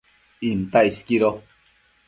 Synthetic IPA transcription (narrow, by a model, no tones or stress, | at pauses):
int̪aiskiɾo